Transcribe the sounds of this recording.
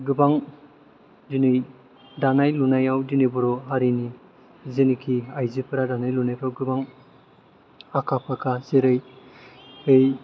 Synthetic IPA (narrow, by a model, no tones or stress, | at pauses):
ɡɯbaŋ | dinɯj | danajlunajawdinɯbuɾɔɦaɾini | zenikʰiajzipʰɯɾadanajlunajpʰɾawɡɯbaŋ | akʰapʰakʰazeɾɯj | ɯj